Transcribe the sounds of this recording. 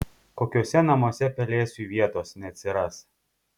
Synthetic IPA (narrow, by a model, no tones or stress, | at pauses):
koːkʲoːsʲɛnɐmuɔsʲɛpʲɛlʲeːsʲuːʋʲiɛt̪oːsnʲɛɐt̪ʲsʲɪɾɐs